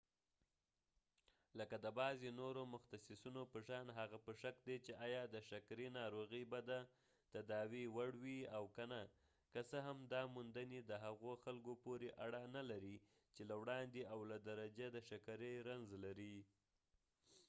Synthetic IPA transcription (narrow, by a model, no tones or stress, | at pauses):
ləkad̪əbɑzenoɾomʊxt̪asɪsunopəʃɑnɦaɣapəʃakd̪et͡ʃeʔɑjɑd̪əʃakɾinɑɾoɣəjbad̪a | t̪ad̪ɑwiwaɽwiawkəna | kəsəɦamd̪ɑmund̪əned̪əɦaɣoxalɡopoɾeʔaɽanalaɾi | t͡ʃelawɽɑnd̪eʔawlad̪aɾad͡ʒad̪əʃakaɾəɾanzlaɾi